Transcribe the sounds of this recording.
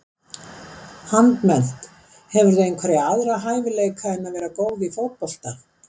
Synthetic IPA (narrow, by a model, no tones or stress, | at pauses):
hant̪mɛnt̪ | hɛvʏɾðɛeŋkʰvaɾɪaðɾaɦaːjvɪleːjkʰaðɪnːavɛːɾakoːwðifowt̪̚pɔl̥t̪ḁ